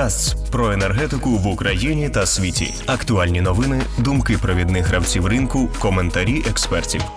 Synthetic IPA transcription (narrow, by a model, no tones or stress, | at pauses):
ast͡sʲpɾɔenerɦɛt̪ɪkʊʋʊkɾɐjinʲit̪ɐsʲʋʲitʲḭɐkt̪ʊɑlʲnʲinɔʋɪnɪd̪ʊmkɪpɾɔʋʲid̪nɪxɾɐwt͡sʲiwrɪnkʊkɔment̪ɐɾʲiʔɛkspɛrtʲḭw